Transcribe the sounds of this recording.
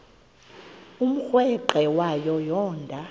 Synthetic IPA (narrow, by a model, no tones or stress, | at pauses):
um̩xwɛǃɛwajɔjɔːndʱa